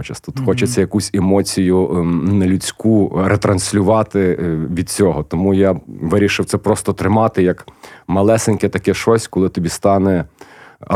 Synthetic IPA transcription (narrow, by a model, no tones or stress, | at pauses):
t͡ʃɐst̪ut̪xɔt͡ʃet͡sʲːɐjɐkusʲemɔt͡sʲijʊnɐlʲut͡sʲkuɾet̪ɾɐnʲsʲlʲʊʋɑt̪ɪʋʲid̪̚t͡sʲɔɦɔt̪ɔmujaʋɪɾʲiʃɪwt̪sɛpɾɔst̪ɔt̪ɾɪmɑt̪ɪjɐkmɐlˠɛsenʲkɪt̪ɐkɛʃɔsʲkɔlˠɪt̪ɔbʲist̪ɑnɛ